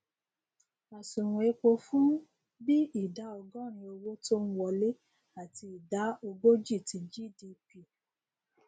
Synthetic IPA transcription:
a˨sũ˨ɾũ˨e˨˧k͡po˧fũ˦ | bi˦i˨da˨˦ɔ˧ɡɔ̃˦˨ɾ̃ĩ˧o˧wo˦to˦n̩˦wɔ˨le˦ | a˨ti˧i˨da˨˦o˧ɡo˦d͡ʒi˦˨tĩ˨˧d͡ʒi˦˨di˧pi˦˨

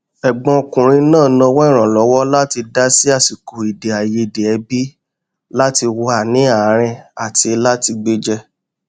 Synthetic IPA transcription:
ɛ˨ɡ͡bɔ̃˧o˧kũ˨ɾ̃ĩ˧˦nãː˦˨nɔ̃˧wɔ˦i˦˨ɾ̃ã˨lɔ˨˦wɔ˦la˦ti˧da˦si˦a˦˨si˨ko˨i˨de˨a˨je˧i˨de˨ɛ˧bi˦ | la˦ti˧wɔ˧a˨nĩ˨˦a˦˨˦ɾ̃ɛ̃˧a˨ti˧la˦ti˧ɡ͡be˦d͡ʒɛ˦

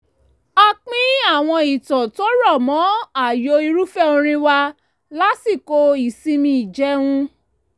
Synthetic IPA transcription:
a˧k͡pĩ˦a˦˨w̃ɔ̃˧i˨tɔ̃˨to˦ɾɔ˦˨mɔ̃˨˦a˦˨jo˧˦i˧ɾu˦fɛ˦o˧ɾ̃ĩ˧wa˧ | la˦si˦˨ko˧i˨sĩ˧mĩ˧i˨d͡ʒɛ˨˦wũ˧

